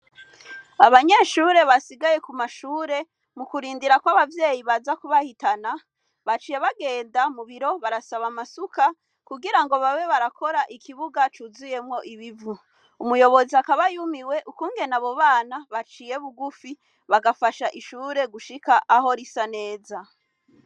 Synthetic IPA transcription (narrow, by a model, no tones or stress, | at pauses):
aβaɲe̞ʃuːɾe̞βasiɡaje̞kumaʃuːɾe̞ | mukuɾiːndiɾakwaβavje̞ːjiβazakuβahitana | βat͡ʃiːje̞βaɡe̞ːndamuβiɾo̞βaɾasaβamasuka | kuɡiɾaŋɡo̞βawe̞βaɾakʰo̞ɾaʔikʰiβuɡat͡ʃuzuje̞mŋo̞ʔiβivu | umujo̞βo̞ziakaβajumiwe̞ʔukuːŋɡe̞naβo̞βaːnaβat͡ʃije̞βuɡufi | βaɡafaʃaʔiʃuːɾe̞ɡuʃikaʔaɦo̞ɾisane̞ːza